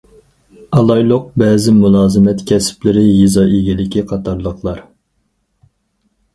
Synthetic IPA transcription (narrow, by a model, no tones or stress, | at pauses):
ɑlˠɑjlˠʊq̚bɛːzɪmulˠɑːzɨmɛt̪kʲʰɛsɪ̥plɪɾɪjizɑʔeɡʲilɪkʲiqʰɑt̪ʰɑɾlˠəqlˠɑɾ